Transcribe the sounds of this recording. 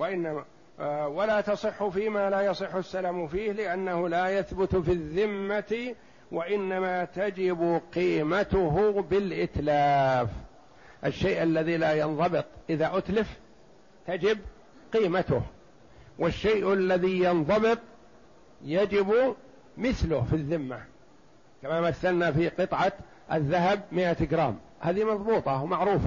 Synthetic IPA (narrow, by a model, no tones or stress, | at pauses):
waʔɪnːama | walaːt̪ɑsˤɨħːʊfiːmaːlaːjɑsˤɨħːʊsːalamfiːhlɪʔanːahʊlaːjaθbʊt̪fiðːɪmːat̪ | waʔɪnːamat̪ad͡ʒɪbqiːmat̪ʊɦʊbɪlʔɪt̪laːf | ʔaʃːejʔalːaðiːlaːjɑnðˤɑbɨt̪ˤʔɪðaʔʊt̪lɪf | t̪ad͡ʒɪb | qiːmat̪ʊh | wɪʃːejʔalːaðijɑnðˤɑbɨt̪ˤ | jad͡ʒɪb | mɪθlʊhfiðːɪmːa | kamamaθːalnafiqɨt̪ˤʕɑ | ʔaðːaɦab̚mɪʔat̪ɪɡɾa̰ːm | haːðimɑðˤbuːt̪ˤɑmaʕɾuːfa